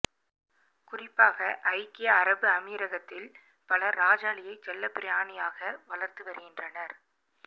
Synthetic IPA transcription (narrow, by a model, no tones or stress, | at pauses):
kʊrɪpːaːɣɐʔɐɪkːɪjɐːɾɐbɯɐmiːɾɐɣɐt̪ːɪl | pɐlɐɾaːd͡ʒaːɭɪjɐɪt͡ʃɛlːɐpːɪɾɪjaːnɪjaːɣɐʋɐɭɐɾt̪ɯʋɐɾɯɣɪndrɐnɐɾ